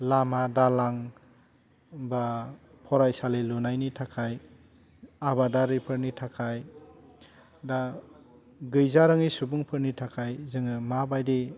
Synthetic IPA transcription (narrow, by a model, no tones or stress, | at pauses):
lamadalaŋ | ba | pʰɔɾajsalelunajnitʰakʰaj | abadaɾipʰɯɾnitʰakʰaj | da | ɡɯjzaɾɯŋisubuŋpʰɯɾnitʰakʰajzɯŋɯmabajdi